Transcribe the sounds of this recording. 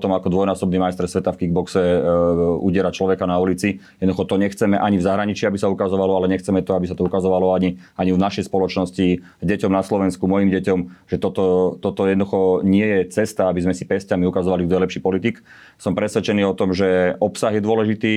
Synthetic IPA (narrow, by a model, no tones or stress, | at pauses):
t̪ɔmakɔd̪ʋɔjnaːsɔbnimajst̪ɛɾsʋɛt̪afkiɡbɔksɛ | ṵɟɪɛɾat͡ʃlɔʋɛkanaulit͡sijɛd̪nd̪uxɔt̪ɔɲɛxt͡sɛmɛʔaɲivzaɦɾaɲit͡ʃiabisaukazɔʋalɔalɛɲɛxt͡sɛmɛt̪ɔabisat̪ɔukazɔʋalɔaɲiaɲivnaʃɛjspɔlɔt͡ʃnɔsci | ɟɛcɔmnaslɔʋɛnskumɔjimɟɛcɔmʒ̥ɛt̪ɔt̪ɔt̪ɔt̪ɔjɛd̪nd̪uxɔɲɪɛjɛt͡sɛst̪aabizmɛsipɛscamiukazɔʋalivd̪ɛlɛpʃiːpɔlit̪ik | sɔmpɾɛsʋɛt͡ʃɛniːɔt̪ɔmʒɛʔɔpsaɣjɛd̪ʊɔlɛʒit̪iː